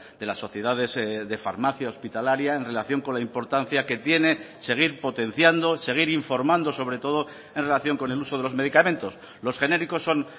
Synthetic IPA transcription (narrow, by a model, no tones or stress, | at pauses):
d̪̥e̞lasːo̞θje̞ðaðe̞zðe̞fa̰ɾmaθjaospit̪alaɾjae̞nre̞laθjo̞ŋkolaimpo̞ɾt̪an̟θjake̞t̪je̞ne̞ | se̞ɣ̞iɾpo̞t̪e̞n̟θjand̪o̞se̞ɣ̞iɾiɱfo̞ɾmãnd̪o̞so̞βɾe̞t̪o̞ð̞o̞ | e̞nre̞laθjo̞ŋko̞ne̞luso̞ð̞e̞lo̞zme̞ðikamẽ̞nt̪o̞s | lo̞sxe̞ne̞ɾiko̞sːo̞n